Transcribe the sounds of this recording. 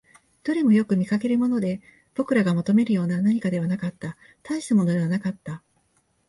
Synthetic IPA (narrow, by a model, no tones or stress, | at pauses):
d̪̥o̞ɾʲimojo̞kɯ̟mʲikake̞ɾɯ̟mo̞no̞d̪e̞ | b̥okɯ̟ɾaɡamat̪o̞me̞ɾɯjo̞ːnanaɲ̟ikad̪e̞βanakat̪ːa | t̪aiɕi̥t̪amo̞no̞d̪e̞β̞anakat̪ːa